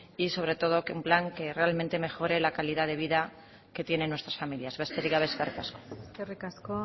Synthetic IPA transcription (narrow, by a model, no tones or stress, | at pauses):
iso̞β̞ɾe̞t̪o̞ð̞o̞kumplaŋke̞re̞almẽnt̪e̞me̞xo̞ɾe̞lakaliðaðe̞β̞iða | ke̞t̪je̞ne̞nːwest̪ɾasfamiljazβest̪eɾiɣaβeskarikasko̥skerikasko